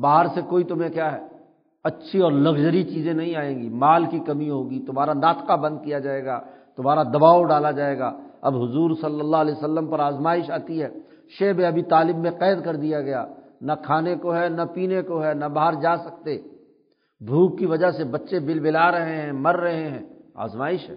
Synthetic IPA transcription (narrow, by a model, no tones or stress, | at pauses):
baːɦəɾsekoːit̪ʊmɦẽkjaːɦɛː | ɐtːʃʰiɔːɾlɐɡd͡ʒəɾit͡ʃiːzẽnɐɦĩaːẽːɡimaːlkikɐmiɦoːɡit̪ʊm̤ɦaːɾanaːt̪qabɐ̃nd̪̚kijad͡ʒaːeːɡaːt̪ʊmaːɾad̪ɐbaːoɖaːlad͡ʒaːeːɡa̰ːɐ̰bɦʊzuːɾsɐlːəlːaɦlɛːsɐlːəmpɐɾaːzmaːɪʃaːt̪iɦɛː | ʃeːbẽɐbʱit̪aːlɪbmẽqɛːd̪kɐɾd̪ijaɡɐja̰ːnɐkʰaːnekoɦɛnɐpiːnekoɦɛnɐbaɦəɾd͡ʒaːsɐk̚t̪e | bʱuːkːiʋɐd͡ʒaɦsebɐtːʃebɪlbɪlaːɾɐɦeɦɛ̃ːmɐɾːɐɦeɦɛ̃ːa̰ːzmaːɪʃɦɛː